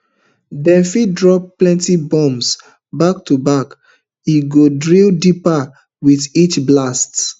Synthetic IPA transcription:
dɛ̃nfidɹɔp̚plɛ̃ntibɔ̃ms | bak̚tubak | iɡodɹildipa | wiθit͡ʃblast

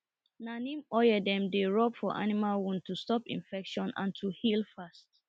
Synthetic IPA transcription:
nanĩmɔjədɛ̃mdeɹɔbfɔʔa̰nimalwũntʰustɔpḭ̃nfɛkʃɔ̃nã̰ntʰuhilfast

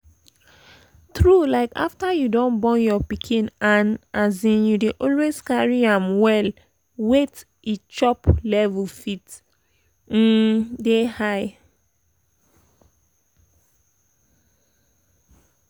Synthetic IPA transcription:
tɹulaɪka̰ftajudõnbɔ̃njɔpikʰĩnãnazĩnjudeʔɔlwezkaɹiãmwɛl | wet | it͡ʃɔplɛvəlfit | n̩dehaɪ

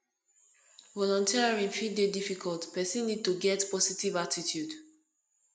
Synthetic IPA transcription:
vɔlɔ̃ntʰiɹaɹĩnfidedifikʰɔltpɛsĩnːid̚tuɡɛtpɔsitivatitʰjud

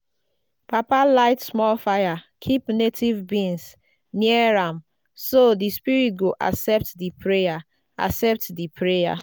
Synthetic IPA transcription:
papalaɪtsmɔlfajakʰipnetʰivbĩns | niɛɹãm | sodispiɹit̚ɡoʔa̰sɛp̚tdipʰɹeja | a̰sɛp̚tdipʰɹeja̰

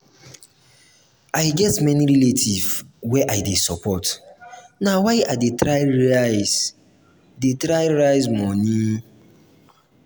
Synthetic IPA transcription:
ajɡɛtmɛniɾiletʰivwɛʔajdesɔpʰɔt | nawajʔadetɾajɹajz̥ | detɾajɹajzmɔni

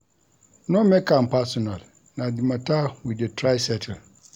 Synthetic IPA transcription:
nʊ̃mɛ̃kʰãmpʰasɔnãl | nãdɪmãtʰawidetʰɾaɪsɛtʰɛl

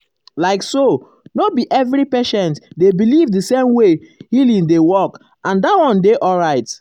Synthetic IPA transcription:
laɪkso | nobiʔɛvɹipeʃɛ̃ntdebilivdəsẽmwehilĩŋdewɔk | ãndatwɔ̃ndeʔɔlɹaɪt

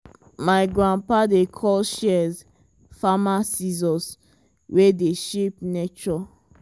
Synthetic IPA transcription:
maɪɡɹãnpadekʰɔlʃɛz | famasizɔ̃s | wedeʃep̚net͡ʃɔ

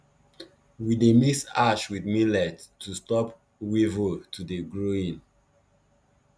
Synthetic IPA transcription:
widemisaʃwidmilɛtːustɔp | wivotʰudeɡɹoĩn

